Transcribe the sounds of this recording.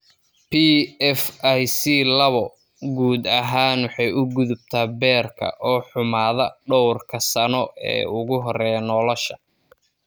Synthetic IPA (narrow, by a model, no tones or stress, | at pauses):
pʰiɛfajsiːlɐβɔ | ɡuːd̪ɐɦaːnwɑħɑjʊɡʊðʊb̚t̪ʰaːbɛːrkʰɐ̰ʔɔːħʊmaːðɐɖɔwrkʰɐsɐnɔɛ̰ːʊɣʊɦɔrɛːjɐnɔːlɔʃɐ